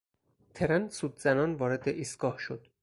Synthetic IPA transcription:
t̪ʰe̞ɾænsuːd̪zænɒːnvɒːɾe̞d̪eʔiːst̪ɡ̥ɒːhʃod̪̥

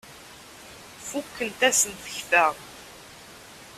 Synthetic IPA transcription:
fukːənt̪æsənθə̥çθæʁ

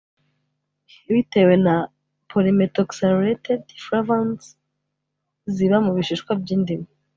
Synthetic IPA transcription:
βite̞we̞na | pʰolimetoksanɾetedfɾavans | ziβamuβiʃiʃkwabɟiːndime

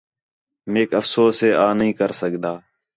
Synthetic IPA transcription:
meːkəfsoːseːʔaːnɦĩːkəɾsəkd̪aː

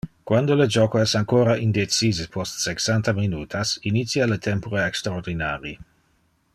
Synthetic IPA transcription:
kwand̪oləd͡ʒɔːkoɛsaŋkoːɾaʔind̪et͡siːzepʰɔst̪seksant̪aminuːt̪ʰasinit̪sjalet̪ʰɛmpoɾeekst̪ɾaord̪inaːɾi

